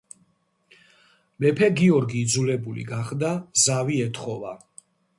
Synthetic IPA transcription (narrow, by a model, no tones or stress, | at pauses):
mɛpʰɛɡiɔɾɡiːd̪zulɛbulḭɡaχd̪azaviɛt̪ʰχɔva